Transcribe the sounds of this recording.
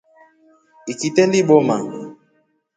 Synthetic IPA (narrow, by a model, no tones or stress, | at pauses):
ikitɛndiɓɔma